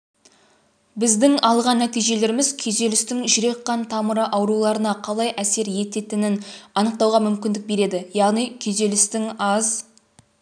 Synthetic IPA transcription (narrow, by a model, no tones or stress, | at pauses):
bɪzd̪ɪŋɑlˠʁɑnːæt̪ijʒe̞le̞ɾɪmɪzkʲʰeze̞lɪst̪ɪŋʒʏɾe̞qːɑnt̪ʰɑməɾəʔɑwɾulˠɑɾənɑqʰɑlˠɑjʔæse̞ɾje̞t̪e̞t̪ɪnɪnɑnəq̚t̪ɑwʁɑmʏmkʲɪnd̪ɪk̚be̞ɾe̞d̪ɪjɑʁnijkʲʰeze̞lɪst̪ɪŋɑz